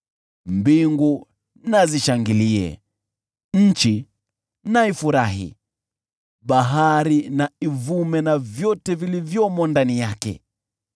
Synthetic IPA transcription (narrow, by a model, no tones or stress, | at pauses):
mbiŋɡu | naziʃaŋɡiliɛ̰ | ɲ̩t͡ʃi | naifuɾaɦḭ | ɓaɦaɾinaivumɛnavjɔtɛvilivjɔmɔndanijakɛ̰